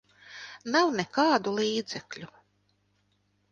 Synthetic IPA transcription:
nawnɛkaːd̪ulˠiːd̪z̥ɛklʲu

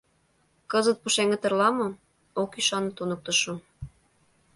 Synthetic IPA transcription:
kɤzət̪̚puʃeŋə̆t̪ə̆rlɑmɤ̆ | okyʃɑnət̪unək̚t̪ə̆ʃu

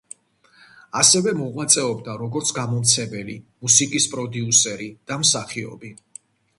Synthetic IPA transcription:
asɛvɛmɔʁwat̪sʼɛɔbd̪aɾɔɡɔɾt̪sʰɡamɔmt̪sʰɛbɛlḭmusikʼispʼɾɔd̪iusɛɾid̪̥amsaχiɔ̰bi

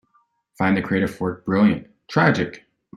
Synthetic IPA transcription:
fãɪ̃nðɨkʰɹ̥ieɪɾɨv̥wɜ˞k̚b̥ɹɪlˠjɨ̰̃nt | tʰɹ̥æd͡ʒɨk

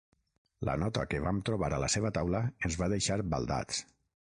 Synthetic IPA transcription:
lə̰nɔt̪əkeβamt̪ɾoβ̞aɾələseβ̞ət̪awləənzβaðeʃaɾba̰lˠd̪a̰t͡s

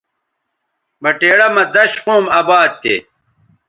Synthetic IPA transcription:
mɐʈeːɽɐmɐd̪ɐɕqoːmɐːbaːd̪̚t̪ḛ

